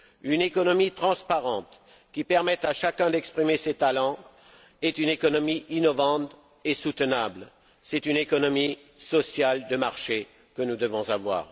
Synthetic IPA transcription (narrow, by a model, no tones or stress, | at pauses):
ynekɔnɔmit̪χɑ̃spaʁɑ̃t̪ | kʲipɛʁmɛt̪aʃakʲɛ̃d̪ɛkspχimeset̪alɑ̃ | ɛt̪ynekɔnɔmiʔinɔvɑ̃t̪ | esut̪ənabl | sɛt̪ynekɔnɔmi | sɔsjald̪əmaʁʃe | kənud̪əvɔ̃zavwa̰ːʁ